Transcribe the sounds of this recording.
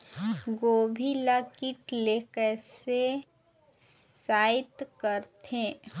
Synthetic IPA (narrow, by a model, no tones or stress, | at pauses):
ɡoːbʱilakiʈlekɛːse | saːɪt̪kəɾt̪ẽː